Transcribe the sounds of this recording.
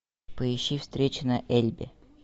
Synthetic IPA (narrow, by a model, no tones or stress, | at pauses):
pəɪɕːifst̪ɾʲet͡ɕɪnɐʔelʲbʲɪ̰